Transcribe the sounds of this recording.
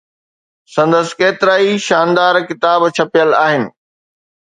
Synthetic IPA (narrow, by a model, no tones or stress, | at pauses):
sɐ̃nd̪əsɪ̥keːt̪ɪɾaːiʃaːnd̪aːɾkɪt̪aːbt͡ɕʰɐpijəlaːɦɪnɪ̆